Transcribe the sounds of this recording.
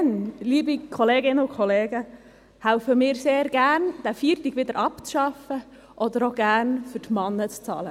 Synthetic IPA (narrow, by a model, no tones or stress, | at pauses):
nliːbikʰɔleːɡɪnəʊkʰɔleːɡə | hæʊfəmɪːɾseːɾɡ̥æːnd̥̪æfiːɾtiɡ̥ʋɪd̪əɾʔɑpt͡sʃɑfə | ʔɔd̪əɾoːɡ̥æːɾnfʏɾtmɑnːət͡st͡sɑ̰ːlə